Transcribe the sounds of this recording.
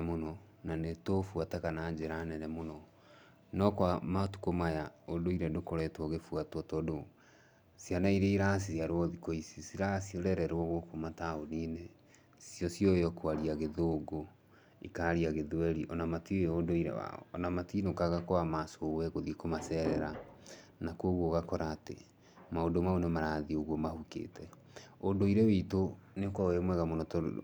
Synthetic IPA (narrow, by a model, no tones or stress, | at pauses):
monɔ | nanetofuatakanaɲd͡ʒeɾanɛɾɛmonɔ | nɔkwamatu̥komajaodoiɾɛdokoɾɛtwɔɣefuatwɔtɔdo | sianaiɾeiɾasisjaɾwɔðikoisisiɾasiɾɛɾɛɾwɔɣokomataonine | sjɔsjɔjɔkwaɾiaɣeðoɡo | ḭkaɾiaɣeðwɛɾiʔɔnamatiodoiɾɛ̰wa̰ɔ̰ːnamatinokaɣakoamasowɛɣoðiekomasɛɾɛɾanakoɣwoɣakɔɾaːtḛ | maodomaonemaɾaðioɣwɔmahukḛːtɛ | odoiɾɛweitonekwaoemwɛɣamonɔtɔ̰